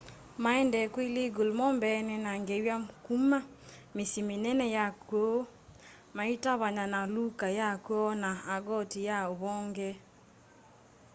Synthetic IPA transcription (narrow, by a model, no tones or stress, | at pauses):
maɛndɛkwileɡolmɔmbɛnɛnaŋɡewjamkuma | mesimenɛnɛjakwo | maitaβaɲanalukajakwɔnaːɡɔtijaoβɔŋɡɛ